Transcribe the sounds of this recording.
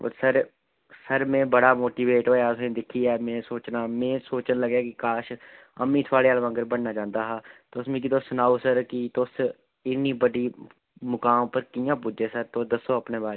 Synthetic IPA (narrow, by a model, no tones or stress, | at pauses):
o̰ːɾsəɾ | səɾmẽːbəɽaːmoːʈiːʋeːʈɦoːjaːʊsẽːd̪ɪkʰiːɛːmẽːsoːt͡ʃnaːmẽːsoːt͡ʃənləɡjaːkɪkaːʃ | ə̰mːĩːt̪ʰʊaːɽeːalʋə̃ŋɡəɾbənnaːd͡ʒãːnd̪aːɦaːt̪osmẽːkɪt̪oːsʊnaːusəɾkɪt̪os | ɪnːiːbəɖiː | mʊkaːmpəɾkɪːjãːpʊd͡ʒeːsəɾt̪oːd̪əsoːəpnẽːbaː